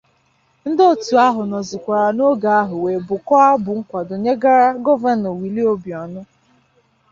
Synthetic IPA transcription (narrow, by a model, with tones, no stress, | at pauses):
n̩˦dɔ˦tu˨a˦ɦʊ˨nɔ˨zʊ˨kʷa˨ɾa˨no˦ɡa˨a˦ɦʊ˨we˨bʊ˨kɔ˦a˦bʊ˨ŋ̩˦kʷa˨do˨ɲe˦ɡa˦ɾa˦ɡɔ˦va˦no˨wi˨li˦o˦bjɔ˨nʊ˦